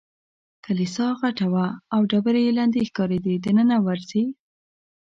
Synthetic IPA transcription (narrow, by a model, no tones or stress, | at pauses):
kalisɑɣaʈawaːwɖabəɾejeland̪exkɑɾed̪id̪ənənawaɾze